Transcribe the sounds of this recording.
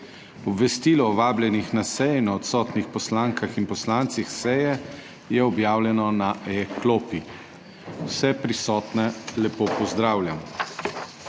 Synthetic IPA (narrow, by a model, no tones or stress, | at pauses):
ɔbʋɛst̪iːlɔːʋaːblʲjɛnixnasɛjnaɔt̪sɔːt̪nixpɔslaːŋkaxinpɔslaːnt̪sixsɛjɛ | jɛɔbjaːwlʲjɛnɔnaʔɛkloːpi | wsɛpɾisɔːt̪nɛlɛpoːpɔzd̪ɾaːwlʲjam